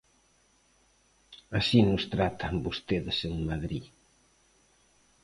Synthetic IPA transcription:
asinʊst̪ɾat̪ɐmbost̪eðɪseŋmaðɾi

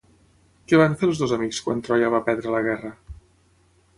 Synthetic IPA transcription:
kɛβaɱfelˠzðozəmikskwa̰nt̪ɾɔjəβ̞apɛɾðɾələɣ̞ɛrə

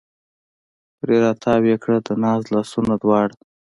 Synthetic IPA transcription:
pɾeɾɑt̪ʰɑwekɽəd̪ənɑːzlɑːsunad̪wɑɽ

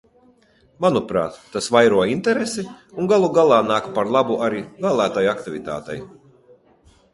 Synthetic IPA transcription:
manupɾa̰ːt̪ːasvajɾuɔint̪ɛɾesiuŋɡalˠuɡalˠɑːnaːkpaɾlˠabuʔaɾivæːlˠæːt̪ajakt̪ivit̪a̰ːt̪ɛ̰j

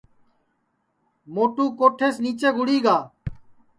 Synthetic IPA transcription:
moːʈuːkoːʈʰeːsniːt͡ʃeːɡʱʊɽiːɡaː

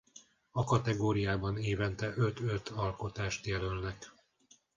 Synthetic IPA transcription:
ɒkɒt̪ɛɡoːɾijaːbɒneːvɛnt̪ɛʔøt̪øt̪ʰɒlko̞t̪aːʃt̪jɛlølnɛk

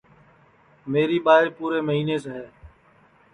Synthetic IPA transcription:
meːɾiːɓaːɦɪɾpuːɾeːməɦiːneːseːɦɛː

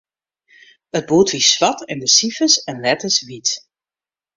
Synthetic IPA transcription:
əd̚buːtʋisʋɑtɪndəsifəsɛnlɛtəsʋit

